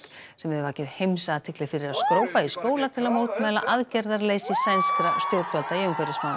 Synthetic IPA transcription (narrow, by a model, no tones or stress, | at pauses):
sɛmɛðʏvaːcɪðhejmsat̪ʰɪklɪfɪɾɪɾaðskɾoːwpaiskoːwlat̪ʰɪlaðmowt̪mɛːla̰ʔaðcɛɾðaɾleːjsɪsajnskɾast̪jowɾt̪valt̪aiʏmkʰɛɾɪsman